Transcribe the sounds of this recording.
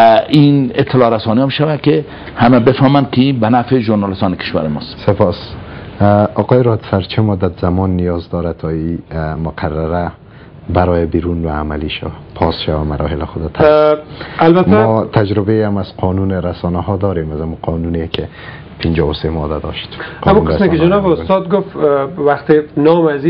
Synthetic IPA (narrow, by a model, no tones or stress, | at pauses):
inɪt̪ʰːɪlɒɾasɔniɔmʃawakɪ | hamabɪfɔmankɪinbanafɪʒoɾnɑlɪst̪ɔːnɪkɪ̥ʃwa̰ɾɪmɔ̰st̪sepɔs | ɔqɔjɪɾɔd̪saɾt͡ʃʰɪmʊd̪at̪zamɔnːijɔzd̪ɔɾat̪ʰɔimʊqʰaraɾa | baɾɔjɪbiɾunwaːmaliʃa̰wapʰɔsʃawamaɾɔɦɪlɪxʊd̪at̪ʰa | albatmaɔt̪ʰad͡ʒɾɪbeamaz̥qʰɔnunɪɾasɔnaɦɔd̪ɔɾemazamuqʰɔnunekɪ | pʰɪnd͡ʒɔwʊsemɔd̪ad̪ɔʃt̪qʰamunkɾasmekkɪd͡ʒanɔbʊst̪ɔd̪ɡʊft̪waqt̪ɪnɔmazi